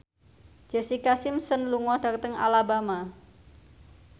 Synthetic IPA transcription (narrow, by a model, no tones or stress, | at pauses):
d͡ʒ̥ɛ̤sikasɪmsənluŋɔɖ̥a̤k̚t̪əŋa̰labama